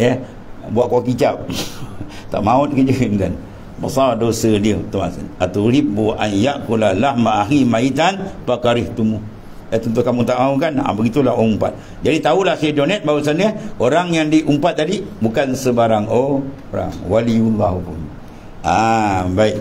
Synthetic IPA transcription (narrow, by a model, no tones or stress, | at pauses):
jə | buaʔkuakit͡ʃap̚ | t̪a̰ʔmaut̪̚kəd͡ʒənkan | basaadosəliət̪umasə̰nat̪uɾibuʔajaʔkulalahmaʔːɦɾimait̪anpakaɾɪht̪umʊh | jət̪ənt̪̬uhkamut̪aʔmauʔkana̰bəɡit̪ulaɦoumpa̰t̪̚ | d͡ʒadit̪aulahsedonɛt̪̚bausanəoɾaŋjaŋdiʔumpat̪̚ːadibukansəbaɾaŋo | oɾa̰ŋwaliulbaɦupʊ̰n | abaiʔ